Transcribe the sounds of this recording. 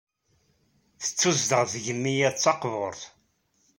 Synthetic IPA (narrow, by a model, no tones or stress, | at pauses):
θə̥t͡sːuzd̪əʁðəʝənːijæt͡sːɑqvʊɾˤθ